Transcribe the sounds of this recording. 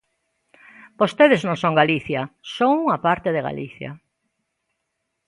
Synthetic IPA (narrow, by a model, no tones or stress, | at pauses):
bost̪eðeznõŋsõŋɡaliθjɐsoŋuŋapaɾt̪eðeɣa̰liθjɐ̰